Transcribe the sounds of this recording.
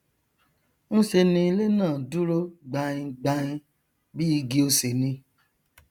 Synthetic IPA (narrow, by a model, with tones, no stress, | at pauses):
n̩˦se˧nĩ˧le˦nãː˦˨du˦ɾo˦ɡ͡ba˧ĩ˧ɡ͡ba˧ĩ˧ | bi˦i˧˦ɡi˧o˧se˨nĩ˧